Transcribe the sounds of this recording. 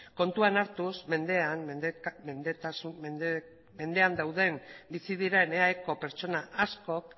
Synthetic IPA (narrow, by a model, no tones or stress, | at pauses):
ko̞nt̪uanaɾt̪usme̞nd̪e̞anmend̪et̪asu | me̞nd̪e̞and̪awð̞e̞mbisið̞iɾe̞neaeko̞pe̞ɾt͡ʃo̞naʔasko̞k